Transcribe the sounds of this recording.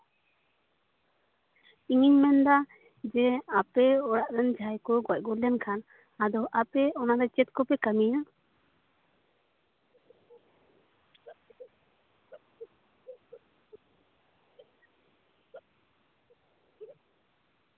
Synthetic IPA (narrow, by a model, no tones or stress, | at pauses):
iŋiɲmɛnd̪a | d͡ʒɛapɛɔɽaʔɾɛnd͡ʒʱajkɔɡɔc̚ɡɔljankʰan | ad̪ɔʔapɛɔnad̪ɛt͡ʃɛt̪̚kɔpɛkamija